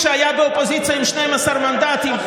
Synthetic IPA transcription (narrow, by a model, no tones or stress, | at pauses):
ʃeajabeopozit͡sijaimʃnejmasaɾmand̪at̪im